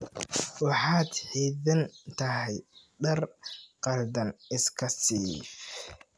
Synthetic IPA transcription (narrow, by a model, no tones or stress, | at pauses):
wɑħɑːd̪ħiːðɐnt̪ʰɐɦɛj | ɖɐrqɐld̪ɐnɪskʰɐsiːf